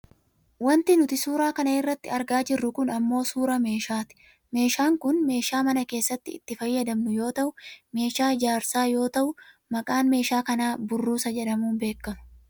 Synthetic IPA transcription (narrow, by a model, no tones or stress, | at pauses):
wɐnt̪ɪnʊt̪ɪsuːɾaːkɐnɐɪrːɐt̪ːɪɐɾɡaːd͡ʒɪrːʊkʊnɐmːo̞ːsuːɾɐme̞ːʃaːt̪ɪ̥ | me̞ːʃaːŋkʊnme̞ːʃaːmɐnɐke̞ːsːɐt̪ːɪɪt̪ːɪfɐjːɐd̪ɐmnʊjo̞ːt̪ɐʔʊme̞ːʃaːd͡ʒaːɾsaːjo̞ːt̪ɐʔʊ | mɐkʼaːnme̞ːʃaːkɐnaːbʊrːuːsɐd͡ʒɛᶑɐmuːnbe̞ːkːɐmʊ̥